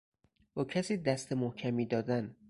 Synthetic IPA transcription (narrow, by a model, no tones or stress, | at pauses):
bɒːcʰæsiːd̪æst̪ʰemohcʰæmiːd̪ɒːd̪æn